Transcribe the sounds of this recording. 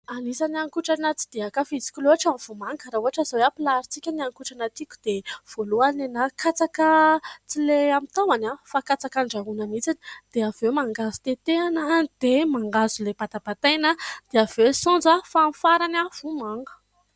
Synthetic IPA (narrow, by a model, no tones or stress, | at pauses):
anisaniaŋkuʈ͡ʂanət͡si̥d̪̥eakafit͡si̥kʲuluaʈ͡ʂamv̥umaŋɡəɾauɦaʈ͡ʂəzaweapilaɾit͡sikʲaniaŋkuʈ͡ʂanat̪ikʲu̥d̪̥ev̥oluanenakʰat͡sakət͡sileamit̪awanafakat͡sakaɳɖ͡ʐaɦunamit͡sani̥d̪̥eavewmaŋɡazu̥t̪et̪eanaid̪̥emaŋɡazuleb̥ad̪abat̪ajnad̪̥eavesɔ̃nd͡zafamfaɾanav̥umaŋɡə̥